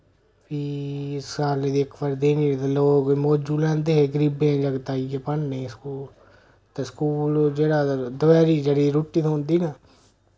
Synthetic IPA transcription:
pʰiːskaːleːd̪iɪkʋəɾd̪eːniːt̪eloːkmoːd͡ʒuːlɛ̃ːnd̪eːɦeːɡəɾiːbeãːd͡ʒəɡt̪aːiɡeːpəɳneːskuːl | t̪eːskuːld͡ʒeːɽaːd̪ʊʋɛːɾiːd͡ʒeːɽiːɾoːʈːiːt̪ʰoɦʊ̃nd̪iːnaː

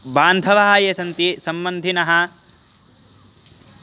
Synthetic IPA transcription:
baːnd̪ʱɐʋɐɦɐjesɐnt̪isɐmbɐnd̪ʱinɐɦɐ

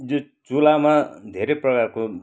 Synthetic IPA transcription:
jot͡sulamad̪ʱeɾejprʌkarko

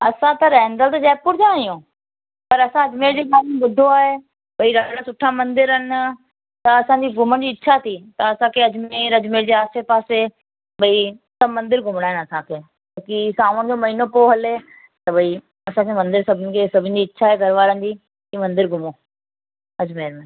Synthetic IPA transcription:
ɐsãt̪ɐɾɛɦɪ̃nd̪əlt̪ɐd͡ʑɛːpʊɾd͡ʑãijõ | pɐɾɐsãɐd͡ʑmeːɾd͡ʑeːkaːmɓʊd̪ʱoaːɦe | ɓɐiɾaɽ̃asʊʈʰamɐ̃nd̪ɪɾɦənɪ̆ | t̪ɐɐsãɲd͡ʑiɡʱʊmənɪ̆d͡ʑiːɪːɕʰat̪ʰit̪ɐɐsãkʰeɐd͡ʑmeːɾɐd͡ʑmeːɾd͡ʑeːaːsepaːse | ɓɐit̪ɐmɐ̃nd̪ɪɾɡʱʊmɽ̃aːɦɪnɐsãkʰeː | okisaːʋʊnɪ̆d͡ʑomɐɦiːnopoɦɐle | t̪ɐbɐi | ɐsãkʰemɐ̃nd̪ɪɾsɐbʱɪnɪ̆kʰesɐbʱɪnɪ̆d͡ʑiːtːʃʰaːɦeɡʱɐɾʋaːɾə̃nd͡ʑiː | imɐ̃nd̪ɪɾɡʱʊmo | ɐd͡ʑmeːɾmẽ

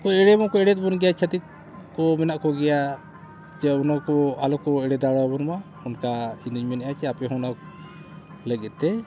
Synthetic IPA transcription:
kɔɛɽɛbɔkɔɛɽɛt̪̚bɔnɡɛjat͡ʃʰət̪it̪̚ | kɔmɛnaʔkɔɡɛja | d͡ʒɛɔnakɔalɔkɔɛɽɛd̪aɽɔbɔnma | ɔnkainuɲmɛnɛjat͡ʃʰɛapɛɦɔ̃nak | ləɡɛt̪̚ˀt̪ɛ

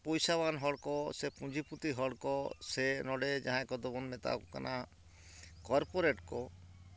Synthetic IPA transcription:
pɔjsaβanɦɔɽkɔsepũd͡ʒʱiput̪iɦɔɽkɔsenɔɽed͡ʒaɦãkɔd̪ɔbɔnmɛt̪a̰kɔka̰nʔa | kɔɾpoɾeʈkɔ

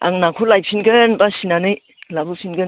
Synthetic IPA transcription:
a̰ŋnakʰulajp̚sinɡɯnbasinanɯj | labusinɡɯn

